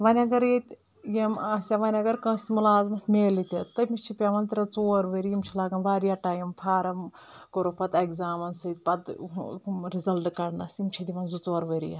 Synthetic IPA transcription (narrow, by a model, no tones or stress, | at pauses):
ʋɐnʲɐɡɐɾet̪ | jemaːsʲaʋɐnʲɐɡɐɾkɐ̃ːst̪ʲmulaːzmɐt̪ʰmeːlit̪ʲɐt̪ɐmit͡ʃʰipʲaːʋɐnt̪ɐɾʲɐt͡soːɾʋəɾijimt͡ʃʰilaːɡɐnʋaːɾijɐʈaːjɐmpʰaːɾɐm | koɾopɐt̪ɐɡzaːmɐnsɐt̪̚pɐt̪ | ɾizɐlʈkɐɽnɐsimt͡ʃʰid̪iʋɐnzut͡soːɾʋəɾḭja